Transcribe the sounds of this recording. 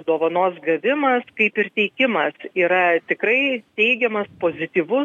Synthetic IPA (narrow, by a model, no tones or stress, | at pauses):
d̪oːʋɐnoːsɡɐʋʲɪmɐskɐɪpɪrt̪ʲɛɪkʲɪmɐsiːɾɐt̪ʲɪkɾɐɪt̪ʲɛɪɡʲɛmɐspoːzʲɪt̪ʲiːʋʊ